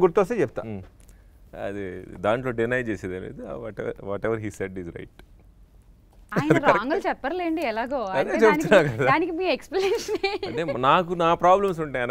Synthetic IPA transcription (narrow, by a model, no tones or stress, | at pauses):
ɡuɾt̪oɐseːt͡ʃɛput̪a̰ː | ɐ̰d̪id̪aːɳʈlo̞ːɖinɐjd͡ʒeːsed̪ɐlḛːd̪uʋaːʈɛɐ̰ʋaːʈɛʋɐɾɦiːsɛɖizɾɐ̰jʈ | aːjiɐdniɐɾɐaɐːŋɡɐlt͡ʃɛpːɐɾɐleːɳɖiɛlaːɡoːɐɐd̪eːt͡ʃebuːtiunːaːkɐd̪aaːnikimiːekspleːʃɐnenaːk̬unaːpɾaːblɐms̬uɳʈajɐn